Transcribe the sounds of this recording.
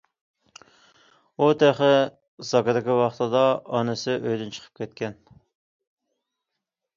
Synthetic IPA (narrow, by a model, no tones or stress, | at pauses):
ut̪ʰæχɪ | zɑkɑd̪ɪkʲiwɑχt̪ɨd̪ɑɑnɨsɪʔøjd̪ynt͡ʃʰə̥qʰə̥p̚kʲʰɛt̪kʲɛn